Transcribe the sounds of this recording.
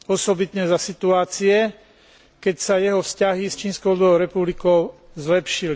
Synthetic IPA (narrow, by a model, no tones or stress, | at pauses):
ɔsɔbit̪ɲɛzasit̪uaːt͡siɛ | kɛcsajɛɦɔfscaɦist͡ʃiːnskɔʊlɔʊɾɛpublikɔʊzlɛpʃili